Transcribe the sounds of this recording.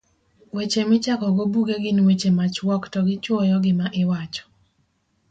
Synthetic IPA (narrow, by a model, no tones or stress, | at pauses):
wet͡ʃemɪt͡ʃakɔɡobuɡeɡɪnwet͡ʃemat͡ʃwɔktɔɡɪt͡ʃɔjɔɡɪmaʔɪwat͡ʃɔ̥